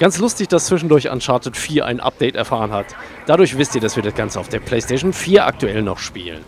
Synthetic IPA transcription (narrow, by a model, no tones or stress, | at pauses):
ɡ̥ant͡slʊstɪçd̥ast͡sv̥ɪʃn̩dʊɐça̰nʃaɐtʰətfiːɐʔa̰ɪnʔa̰p̚d̥ɛɪtɛ̰ɐfaːʁənhat | d̥adʊɐçv̥ɪstiːɐdasv̥iːɐdasɡ̥ant͡səaʊd̥eːɐpl̥ɛɪsteːʃnfiːɐʔa̰k̚tuɛlnɔχʃpḭːlə̰n